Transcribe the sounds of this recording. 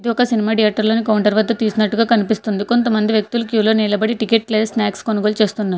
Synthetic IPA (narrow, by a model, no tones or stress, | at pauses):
ɐd̪iɔkɐsinimaːɖijaːʈːɐɾlo̞ːnikɐwuɳʈɐɾʋɐd̪ːɐt̪iːsunɐʈːuɡaːkɐnipist̪und̪iko̞nt̪ɐmɐnd̪iʋjek̚t̪ulukjuːlo̞ːniːlɐbɐɽiʈikeːʈ̚kleːsnaːkskonuɡoːlt͡ʃe̞ːst̪unːaːɾu